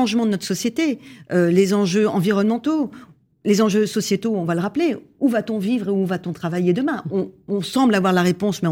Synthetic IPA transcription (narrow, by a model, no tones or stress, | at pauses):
ɑ̃ʒmɑ̃d̪ənɔt̪χəsɔsjet̪eølezɑ̃ʒøɑ̃viʁɔnmɑ̃t̪o | lezɑ̃ʒøsɔsjet̪oɔ̃valəʁapleuvat̪ɔ̃vivʁeuvat̪ɔ̃t̪χavajed̪əmɛ̃ɔ̃ːsɑ̃blavwaʁlaʁepɔ̃smɛ̃